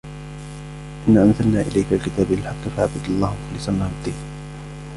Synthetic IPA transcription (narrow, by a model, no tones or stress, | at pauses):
ʔɪnːaːʔamzalnaːʔɪ̰lajkalkɪt̪aːbalɪlħaqːɪfaʕabad̪ɑlˤːɑːhmʊxlɪsˤanːahad̪iːn